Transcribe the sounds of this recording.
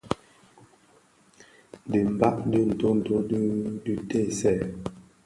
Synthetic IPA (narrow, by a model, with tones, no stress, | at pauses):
də˨m̩˨ba˦ʔdə˦n̩˨to˦n̩˨to˦ddʉ˦te˦˨sɛ˦˨